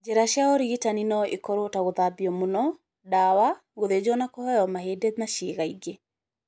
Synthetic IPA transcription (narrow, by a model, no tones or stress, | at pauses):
d͡ʒeɾaʃjaoɾiɣitaninɔʔekɔɾotaɣoðabiɔmonɔ | dawa | ɣoðed͡ʒɔnakɔhɔjɔmahedemaʃeːɣaiɡe